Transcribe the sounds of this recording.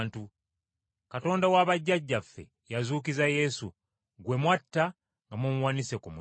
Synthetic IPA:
ntu | kato̞ːndawaβaɟːaɟːafːe̞̰ | jazuːk̬izaje̞su | ɡwe̞mwatːa | ŋɡamumuwaːnisekumu

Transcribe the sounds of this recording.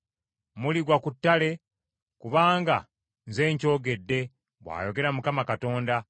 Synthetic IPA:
muliɡwakutːale̞ | kuβaːŋɡa̰ | nze̞ːɲco̞ːɡe̞dːe̞ | βwa̰ːjo̞ɡe̞ɾamukamakato̞ːnda

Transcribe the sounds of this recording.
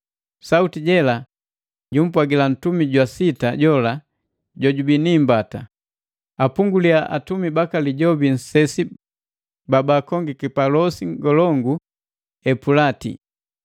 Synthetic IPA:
sautiɟɛla | ɟum̩pwaɡilan̩tumiɟwasitaɟɔla | ɟɔɟubiniːmbata | apuŋɡuliaʔatumibakaliɟɔbin̩sɛsi | babakɔŋɡikipalɔsiŋɡɔlɔŋɡu | ɛpulatḭ

